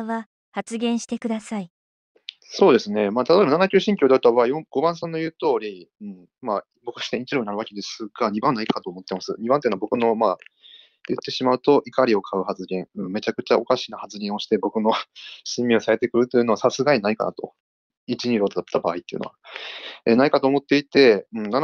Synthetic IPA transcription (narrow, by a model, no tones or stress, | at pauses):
βa | hat͡sɨɡẽ̞ɰ̃ɕi̥t̪e̞kɯ̟d̪asai | so̞ːd̪e̞sɨne̞maːt̪at̪oebananakʲɨːɕĩŋkʲoːd̪at̪ːaβbaːijoɡ̥o̞bãɰ̃sãnːo̞jɯ̟t̪o̞ːɾʲiɯ̟̃ɴ | ma | bo̞kɯ̟̥ɕi̥t̪ẽɲit͡ɕiɾonaɾɯ̟βake̞d̪e̞sɨɡaɲ̟ibãnaikat̪o̞ːmot̪ːemasɨ̰ɲ̟ibãne̟ːnoabo̞kɯ̟no̞ma | jɯt̪ːe̞ɕimaɯ̟t̪o̞ʔikaɾʲio̞kʰaɯ̟hat͡sɨɡẽ̞ŋɯ̟̃ɴme̞t͡ɕakɯ̟t͡ɕao̞kaɕinahat͡sɨɾʲĩɰ̃o̞ɕi̥t̪e̞bo̞kɯ̟no̞ɕĩmʲːĩo̞sae̞t̪e̞kɯ̟ɾɯ̟t̪ːojɯ̟noasasɨɡaɲinaika̰na̰t̪o̞̰ | it͡ɕiɲ̟iɾo̞ːt̪od̪at̪ːabaːit̪ːeiɯ̟̰naeːnaikat̪o̞ːmo̞t̪ːe̞it̪e̞ɯ̟̃ɴnan